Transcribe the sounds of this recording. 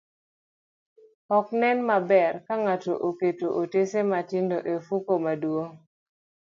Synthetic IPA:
ɔknɛnmabɛrkaŋato̰ʔoketoʔotesematɪndoʔefukomadwo

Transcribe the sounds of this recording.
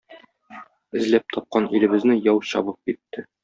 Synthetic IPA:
ɘ̆zlæp̚t̪ʰɒp̚qɑnilɘ̆bɘ̆znɘjɒwɕɒ̰bɤp̚kit̪ːɘ

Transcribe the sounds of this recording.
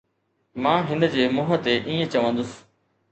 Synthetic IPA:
mãːɦɪnd͡ʑeːmʊɦət̪eʔĩːẽt͡ɕɐʋə̃nd̪ʊs

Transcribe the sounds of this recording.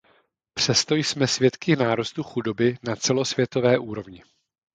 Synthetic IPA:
pr̝̥ɛst̪o̞jsmɛsvjɛt̪kɪnaːɾust̪uxudo̞bɪnat͡sɛlo̞svjɛt̪o̞vɛːʔuːɾo̞vɲɪ

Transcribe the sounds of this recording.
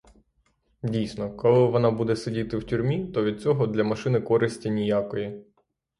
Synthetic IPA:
dʲijsʲnɔkɔlˠɪʋɔnɑbud̪ɛsedʲit̪ɪwtʲʊɾʲmʲit̪ɔʋʲid̪̚t͡sʲɔɦɔd̪lʲɐmɐʃɪnɪkɔɾɪsʲtʲinʲijakɔji

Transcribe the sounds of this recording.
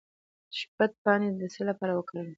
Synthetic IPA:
ʃpat̪̚pɑned̪əsəlapɑɾawəkɽəw

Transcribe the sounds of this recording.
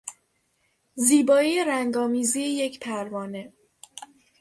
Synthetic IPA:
ziːbɒːijeɾæŋɡɒːmiːzieje̞cʰpʰæɾvɒːne

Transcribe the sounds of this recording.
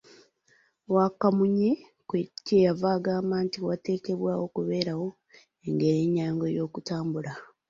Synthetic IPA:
wakamuɲe | kwecejavaːɡaːmaːntiwate̞ːke̞βwaːwo̞kuβe̞ːɾawo̞ | eŋɡe̞ɾeɲːaːŋɡo̞jo̞ːkutaːmbula

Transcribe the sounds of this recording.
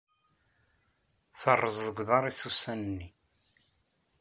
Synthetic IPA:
θərˤːəzðəɡʷðɑɾˤisusːænənːi

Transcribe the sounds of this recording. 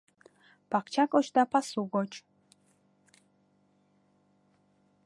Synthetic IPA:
pʰaqt͡ʃʰakʼɔʃd̪apʰasuɡɔt͡ʃʼ

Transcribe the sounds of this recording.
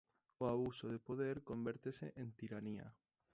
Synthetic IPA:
oaβusoðepoðeɾkombeɾt̪esḛʔent̪iɾania̰

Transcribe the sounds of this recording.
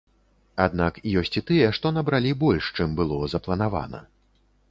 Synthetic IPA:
ad̪̚nakjɔsʲt͡sʲit̪ɨjɛʂt̪ɔn̪ɐbɾalʲibɔlʲʂt͡ʂɨmbɨlˠɔzɐplˠɐnava̰nɐ̰

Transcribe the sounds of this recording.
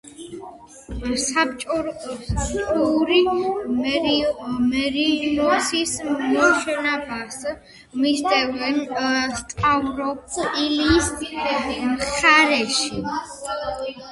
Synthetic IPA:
sapt͡ʃʼɔ | t͡ʃʼuɾi | mɛɾinɔsismɔʃɛnabas | misd̪ɛvɛnst̪ʼavɾɔp̚iliːs | mχaɾɛʃi

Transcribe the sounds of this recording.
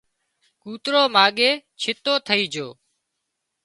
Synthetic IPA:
kuːt̪ɾoːmaːɠeːt͡ʃʰɪt̪oːt̪ʰəiːd͡ʒoː

